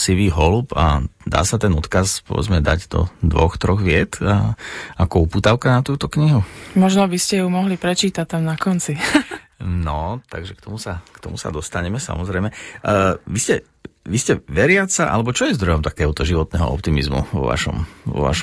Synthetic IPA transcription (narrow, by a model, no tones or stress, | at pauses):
siʋiːɦɔlupa̰d̪a̰ːsat̪ɛnɔt̪kazpɔ̰ʋɛ̰d͡zmɛd̪aɟd̪ɔ̰d̪ʋɔxt̪ɾɔɣʋɪɛt̪aakɔupuːt̪aʊkanat̪uːt̪ɔkɲiɦumɔʒnɔbiscɛumɔɦlipɾɛt͡ʃiːt̪ac̚t̪amnakɔnt͡si | nɔt̪aɡʒɛk̚t̪ɔmusakt̪ɔmusa̰d̪ɔst̪aɲɛmɛsa̰mɔzɾɛɪmɛ | ʋiscɛ | ʋiscɛʋɛɾɪat͡saʔa̰lɛbɔt͡ʃɔjɛzd̪ɾɔjɔmt̪ḁkɛːɦɔt̪ɔʒiʋɔt̪nɛɦɔ̰ɔp̚t̪imizmṵʋɔ̰ʋa̰ʃɔ̰mʋɔ̰ʋa̰ʃɔ